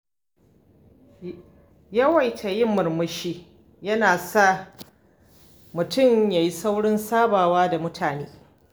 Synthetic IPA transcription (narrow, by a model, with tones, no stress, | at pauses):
jɐ˦wɐ˨jtʰa˨jɪ˦mːʊ˨rmʊ˦ʃiː˦ | jɐ˦naː˨sa˦˨ | mʊ˨tʊ˦˨mjaː˨ji˦sa˦wɽɪ˦nsaː˦baː˨waː˦da˨mʊ˦tʰaː˨neː˦